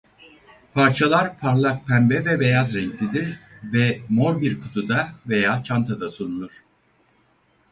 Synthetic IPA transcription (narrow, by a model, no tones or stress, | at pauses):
pʰaɾt͡ʃʰalˠaɾpʰaɾlˠak̚pʰænbɛvɛbe̞jazɾɛɲclʲid̪iɾvɛmo̞ɾbiɾkʰut̪ʰud̪avejaːt͡ʃʰant̪ʰad̪asuɾulˠuɾ̥